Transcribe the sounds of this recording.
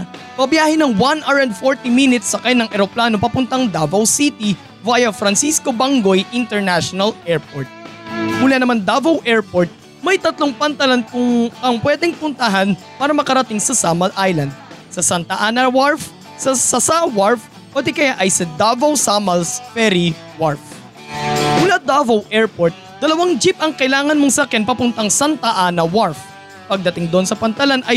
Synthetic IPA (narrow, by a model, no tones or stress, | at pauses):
pɐbjaːhɪnɐŋwanʔaɹɐnd̪foɹt̪iminɪt̪sːɐkajnɐŋʔɛɾoplaːno̞pɐpʊnt̪ɐŋd̪abɐwsit̪i | vajɐfɾɐnsisko̞baŋɡojʔɪnt̪ɛɹnaʃonɐlɛɹp̚oɹt̪̚uːlɐnɐmand̪abɐwʔɛɹpoɹt̪̚ | mɐjt̪ɐt̪loŋpɐnt̪ɐlankʊŋɐŋpwɛd̪ɛŋpʊnt̪ɐɦan | paːɾɐmɐkɐɾɐt̪ɪŋsɐsamɐlʔajlɐnd̪̚sɐsɐnt̪ɐʔaːnɐwaɹf | sɐsɐsawaɹf | pot̪ɪkɐjaʔɐjsɐd̪avɐwsamɐlsfɛɾi | waɹf | mʊlad̪avɐwʔɛɹpoɾt̪̚d̪̥ɐlɐwaŋd͡ʒip̚ʔɐŋkɐʔɪlaːŋɐnmoŋsɐɐkɛnpɐpʊnt̪ɐŋsant̪ɐʔanɐwaɹf | pɐɡ̚d̪ɐt̪ɪŋd̪oʔonsɐpɐnt̪ɐlanʔɐj